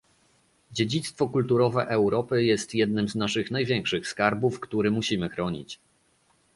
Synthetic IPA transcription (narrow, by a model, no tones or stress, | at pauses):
d͡ʑed͡ʑit̪st̪fɔkult̪uɾɔvɛʔɛwɾɔpɘjɛst̪jɛd̪̚nɘmznaʂɘxnajvʲjɛŋkʂɘxskaɾbufkt̪uɾɘmuɕimɘxɾɔɲḭt͡ɕ